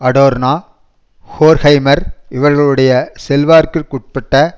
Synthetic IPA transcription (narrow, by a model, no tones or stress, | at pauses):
ɐɽoːɾnaː | hoːɾhɐɪmɐɾɪʋɐɾɣɐɭɯɽɐjɐsɛlʋaːɾkɯkʊʈ̚pɐʈːɐ